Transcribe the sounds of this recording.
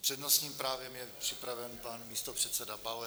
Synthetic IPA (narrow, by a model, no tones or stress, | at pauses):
pr̥ɛdnosɲiːmpɾaːvjɛmjɛpr̝̥ɪpɾavɛnpanmiːst̪opr̝̥ɛt̪sɛdabalɛ